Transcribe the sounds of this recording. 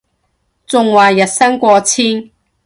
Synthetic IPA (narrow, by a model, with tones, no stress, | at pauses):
t͡sʊ˨˧ŋwaː˨˩jɐ˨t̚sɐ˥ŋkʷɔː˧t͡sʰiː˥n